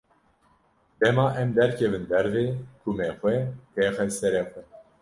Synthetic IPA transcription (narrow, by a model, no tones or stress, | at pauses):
d̪̥ɛmɑːʔɛmd̪ɛɾkʰɛvɨnd̪ɛɾveːkʰumɛxʷwɛp̪ɛːxɛsɛɾɛxʷɛ